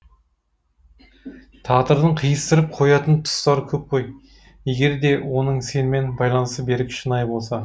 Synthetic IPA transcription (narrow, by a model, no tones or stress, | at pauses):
t̪ʰɑt̪əɾd̪əɴqʰijəst̪əɾəp̚qʰo̞jɑt̪ənt̪ʰʊ̥st̪ɑɾəkʲʰɵp̚qʰo̞j | je̞ɡʲe̞ɾd̪e̞wo̞nəɴse̞nɪme̞nbɑjlˠɑnəst̪əbe̞ɾɪkʲʰʃənɑjbo̞lˠsɑ